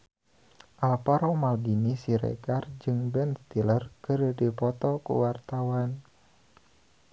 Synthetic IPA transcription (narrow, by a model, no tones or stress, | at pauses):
ʔalpaɾɔmalbinisiɾɛ̰ɡard͡ʒɨŋbɛnst̪ilərkɨrdipɔt̪ɔkṵwart̪awan